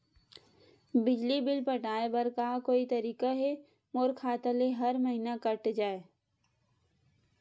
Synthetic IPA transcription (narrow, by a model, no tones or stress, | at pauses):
bɪd͡ʒlibɪlpəʈaːebəɾkakoːit̪ɐɾiːkaɦe | moːɾkʰaːt̪aleɦɐɾməɦinakəʈd͡ʒaːe